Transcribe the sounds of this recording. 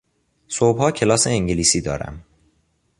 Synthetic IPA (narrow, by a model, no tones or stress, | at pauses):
sobhɒːcʰe̞lɒːse̞ːŋɟeliːsiːd̪ɒ̰ːɾæ̰m